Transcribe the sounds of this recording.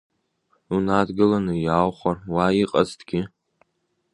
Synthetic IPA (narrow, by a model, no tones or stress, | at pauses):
unadɡɨlanɨjawχʷarwaiqʼaztʰɡʲɪ